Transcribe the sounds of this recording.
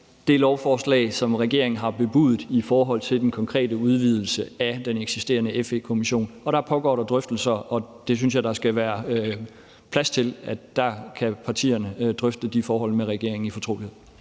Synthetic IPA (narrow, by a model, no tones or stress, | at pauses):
d̥e̝lɒʊfɒːslɛ̰ːɪsɒ̽mʁɛɡ̥e̝̰ɐ̰eŋn̩ɦɑ̈b̥e̝b̥ṵð̩ˠifɒːɦɒ̽l̰t͡sʰe̝ld̥enkʰɒ̽ŋkʰʁɛ̰ːdəuð̞ˠʋið̞ˠl̩səæd̥eneɡ̥sisd̥e̝̰ːɐnəefekʰo̝miɕo̝̰ːnɒ̽ɾ̥ɑ̈pʰɒ̽ɡ̥ɒ̰ːɾɑ̈d̥ʁœfd̥l̩sɐɒ̽d̥e̝s̬ynsjɑ̈ɪd̥ɑ̈sɡ̥æʋæːɐ | pʰlæst͡sʰe̝lædd̥ɑ̈kʰæpʰɑ̈t͡sʰḭːɐnəd̥ʁœfd̥əd̥ifɒːɦɒ̽l̰meʁɛɡ̥e̝ɐ̰eŋn̩ifɒ̽t͡sʰʁo̝ːlihe̝ð̰ˠ